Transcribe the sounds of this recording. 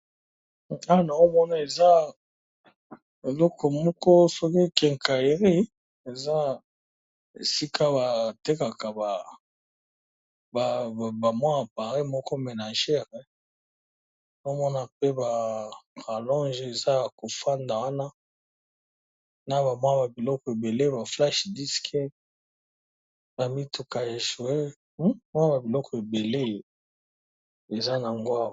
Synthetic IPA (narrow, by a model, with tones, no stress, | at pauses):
a˦˨na˨o˦mɔ˦na˦e˨za˦ | e˨lɔ˦kʰɔ˨mɔ˦kɔ˦sɔ˦ki˦kɛ˨ŋka˨e˨ʁi˦ | e˨za˦ | ḛ˨si˦kʰa˦ba˨te˦ka˨ka˨ba˨ | ba˨ba˨mwa˦a˨pa˨ʁi˦mɔ˦kɔ˦me˨na˨ʒɛ˦˨ʁɛ˨ | no˦mɔ˦na˨pe˦ba˨ka˨lɔ̃˦nʒe˨za˦a˨ko˨fa˦nda˨wa˦na˦ | na˦ba˨mwa˦ba˨bi˨lɔ˦kɔ˨e˨be˨le˦ba˨fla˦ʃdi˦skʰɛ˦ | na˨mi˦tu˨ka˨e˨ʒo˨e˦ | m˦a˦ba˨bi˨lɔ˦kɔ˨e˨be˨le˦˨ | e˨za˦na˨ŋɡwa˦˨